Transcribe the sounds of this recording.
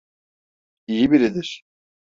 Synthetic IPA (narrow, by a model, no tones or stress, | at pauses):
ijibiɾid̪iɾ̥